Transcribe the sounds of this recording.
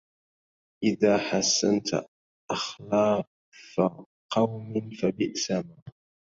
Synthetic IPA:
ʔɪðaːħasːa̰nt̪ | ʔɑxlɑː | fa | qɑwmɪnfabɪʔsamaː

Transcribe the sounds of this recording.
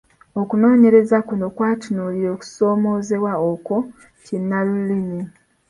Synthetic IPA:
okuno̞ːɲe̞ɾe̞zakuno̞kwaːtinoliɾo̞ːku̥so̞ːmo̞ːze̞βwaoko̞ | cinːalulini

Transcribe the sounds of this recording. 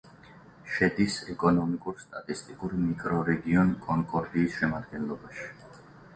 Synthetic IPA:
ʃɛd̪isɛkʼɔnɔmikʼuɾst̪ʼat̪ʼist̪ʼikʼuɾmikʼɾɔɾɛɡiɔnkʼɔŋkʼɔɾd̪iːsʃɛmad̪̚ɡɛnlˠɔbaʃi̥

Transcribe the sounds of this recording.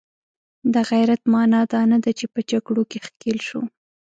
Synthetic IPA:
d̪əɣajɾat̪mɑnɑd̪ɑnad̪at͡ʃepəd͡ʒaɡɽokexkelʃu

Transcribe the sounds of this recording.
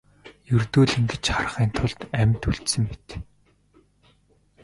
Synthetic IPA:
jɵrt̪uːɮɘ̆ŋɡet͡ɕχar̆χiːnt̪ʰʊɮt̪æmʲt̪uɮt̪sɘ̆mpit̪

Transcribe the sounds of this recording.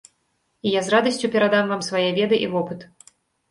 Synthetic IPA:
ijazrad̪ɐsʲt͡sʲupʲɛɾad̪amvamsvajɛvʲɛd̪ɨʔivɔpɨt̪

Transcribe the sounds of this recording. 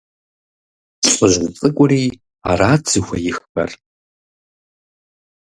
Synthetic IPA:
ɕʼəʒzt͡sʼɨkʷʼʊriː | a̰raːd͡zɨxʷɐjɪxbɐ̰r

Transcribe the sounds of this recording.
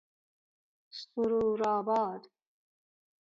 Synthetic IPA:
st̪uɾuɾaːbɑːd̪

